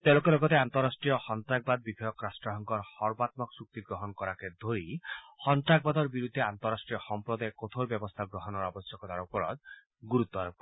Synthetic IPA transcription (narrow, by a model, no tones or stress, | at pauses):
t̪ewlokelɔɡɔt̪eant̪ɔɾasʈɾijɔhɔnt̪ɾaɡ̚bad̪̚bibʱɔjɔkɾasʈɔɦɔŋkɔɾhɔɾbat̪̚mɔksuk̚t̪iɡɾoɦɔnkɔɾaked̪ʱoɾihɔnt̪ɾaɡ̚bad̪ɔɾbiɾud̪ʱːeant̪ɔɾasʈɾijɔxɔmpɾɔd̪aekot̪ʰoɾbjɔbɔst̪ʰaɡɾoɦɔnɔɾabɔsjɔkɔt̪aɾupɔɾɔ̰d̪̚ | ɡuɾut̪ːɔɾ̚kɔ